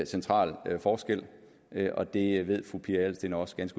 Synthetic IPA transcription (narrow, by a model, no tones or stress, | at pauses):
sent͡sʰʁɑ̰̈ːlfɒːsɡ̥el̰ | ɒ̽d̥e̝ʋe̝ð̰ˠfʁupʰiɐælsd̥e̝nɐɒ̽sɡ̥ænsɡ̥